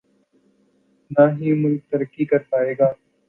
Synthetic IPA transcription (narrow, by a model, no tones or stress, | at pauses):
naːɦiːmʊlk̚t̪əɾəkːiːkəɾpaːeːɡaː